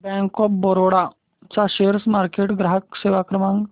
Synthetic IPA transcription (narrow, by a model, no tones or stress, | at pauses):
bɛ̃ŋkɔp̚bɔɾoɽa | t͡saɕeɾsmaɾkeʈɡɾaɦəkseʋakɾəmãŋɡ